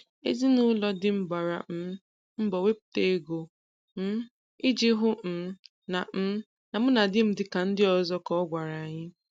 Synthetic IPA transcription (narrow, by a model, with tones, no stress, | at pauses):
ḛ˦zi˦nu˦lɔ˦dɪ˦m̩˦ba˨ɾa̰˨m̩˦ | m̩˦bɔ˨we˦pu̥˨˦te˦e˦ɡo˨ | m̩˦ | ɪ˦d͡ʒɪ˦ɦʊ˦m̩˨˦ | na˨m̩˦ | na˨m̩˦na˨dɪ˦m̩˦dɪ˦ka˨n̩˦dɪ˦ɔ˨zɔ˦kɔ˦ɡʷa˨ɾa˨ɲɪ˦